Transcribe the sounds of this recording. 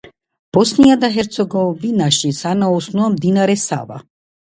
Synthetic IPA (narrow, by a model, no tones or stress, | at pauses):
b̥ɔsnijad̪aɦɛɾt̪sɔɡɔvinaʃisanaɔsnuamd̪inaɾɛsa̰va̰